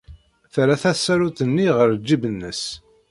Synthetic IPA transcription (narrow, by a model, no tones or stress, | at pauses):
θɾæθæsːæɾut̪ənːiʁəɾd͡ʒːibənːəs